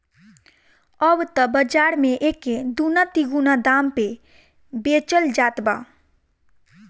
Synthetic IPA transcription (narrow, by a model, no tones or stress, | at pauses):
əbt̪əbəd͡ʒaɾmeʔeked̪unat̪iɡunad̪ampe | bet͡ʃəld͡ʒaːt̪ba̰